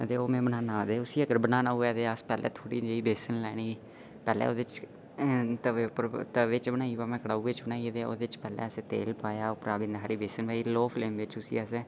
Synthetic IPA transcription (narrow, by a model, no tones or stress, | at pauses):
ət̪eːoːmɛ̃ːbənaːnaːd̪eːʊsiːəɡəɾbənaːnaːuɛːt̪eːəspɛːlʔɛ̰ːt̪ʰoːɽiːd͡ʒeːiːbeːsənlɛːniː | pɛːlɛ̰ːoːd̪et͡ʃ | t̪əpəɾt̪əʋɪt͡ʃbənaːiːʋaːmɛ̃ːkəɽaːuːɡet͡ʃbənaːiːd̪eːo̰ːd̪ɪt͡ʃpɛːlɛ̰ːəsẽːt̪ḛːlpaːjaːopɾaːbɪ̃nd̪aɦaːɾiːbeːsənʋaːiːloːpʰleːmʋɪt͡ʃʊsḭːəseː